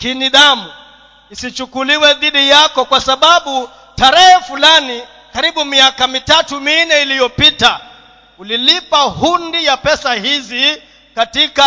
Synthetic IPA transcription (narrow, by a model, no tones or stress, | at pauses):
kiniðamu | isit͡ʃukuliwɛðiɗijakɔkwasaɓaɓu | taɾɛhɛfulani | kaɾiɓumiakamitatuminɛilijɔpita | ulilipahundijapɛsahizi | katika